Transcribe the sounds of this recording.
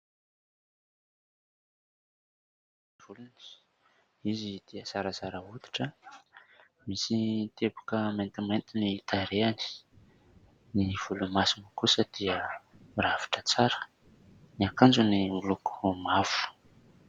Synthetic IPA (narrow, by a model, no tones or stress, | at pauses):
v̥uluni̥ | izid̪̥iəsaɾəzaɾəud̪i̥ʈ͡ʂə | misit̪ebukəment̪iment̪init̪aɾeani̥ | niv̥ulumasimikusəd̪̥iəɾavi̥ʈ͡ʂət͡saɾə̥ | niakand͡ʒunimuluku̥mav̥u̥